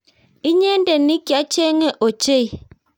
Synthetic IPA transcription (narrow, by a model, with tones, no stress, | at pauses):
i˦ɲe˦n˦de˨ni˦kja˨˦t͡ʃe˦ŋe˦ʔo˨t͡ʃe˦˨